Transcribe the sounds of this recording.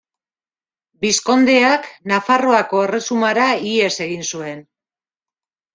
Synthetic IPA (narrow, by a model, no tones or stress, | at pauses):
bisko̞nd̪e̞aknafaro̞ako̞e̞re̞sumaɾaie̞se̞ɣinsue̞n